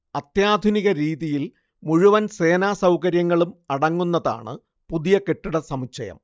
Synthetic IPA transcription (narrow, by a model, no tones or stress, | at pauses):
ɐt̪jaːd̪ʱuniɣɐɾiːðijil | muɻuʋɐnse̞ːnaːsɐwkɐɾjɐŋːɐɭumɐɽɐŋːunːɐða̰ːɳɨ̰ | puðijɐkeʈːuɽɐsɐmit͡ɕːɐjɐ̰m